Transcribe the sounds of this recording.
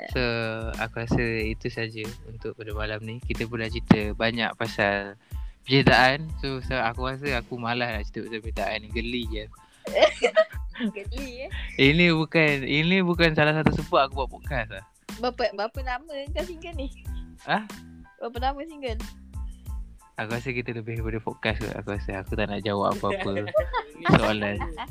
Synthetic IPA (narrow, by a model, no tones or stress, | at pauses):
soa̰kuɾasəit̪usad͡ʒəunt̪ʊʔ̚padəmalamnikit̪əp̬unlaht͡ʃit̪əbaɲa̰ʔpasalpəɲit̪aʔansosoakuɾas̬əakumalahnaʔt͡ʃi̥t̪əpasapəit̪aʔaniɡəlijə | ɡəliinibukaninibukansalahs̬at̪usəbat̪̚akubuaʔpɔkaslah | bapəbəapəlaməəŋkasiŋɡəlnɪhʔahbapənaməsiŋɡən | akuasəkit̪ələbɪhpadəpɔkaska̰ʔa̰kuasəakut̪aʔnaʔd͡ʒawa̰pʔa̰pəapə | səolan